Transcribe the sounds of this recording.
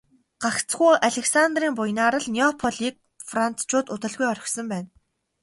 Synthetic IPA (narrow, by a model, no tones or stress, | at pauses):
ɢ̥akt͡sɡuːʔaɮʲĕksant̪riːmpʊjnaːɾə̆ɮniɔpʰɔɮiːk̚ | fran̥t͡st͡ɕʊːt̪ʊt̪ə̆ɮɣujɔɾʲɞ̆xsɞ̆mpæːn